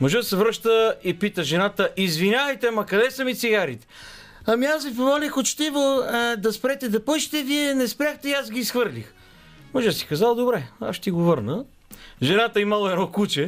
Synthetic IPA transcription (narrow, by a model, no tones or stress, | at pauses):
moʒad̪sɛvɾɤʃt̪əipit̪əʒɛnat̪əʔizvinʲavəjt̪ɛmɐkɐd̪ɛsəmit̪siɡaɾit̪ɛ̥ | ɐmiasvipomɔlʲixot͡ʃt̪ivod̪ɐspɾɛt̪ɛd̪ɐpojʃt̪ɛviɛnɛspɾʲjaxt̪ɛiazɡiːsxvɤɾlʲix | moʒsi̥kɐzalˠd̪obɾɛa̰ʃt̪iɡovɤɾnə | ʒɛnat̪əiməlˠɛnɔkut͡ʃɛ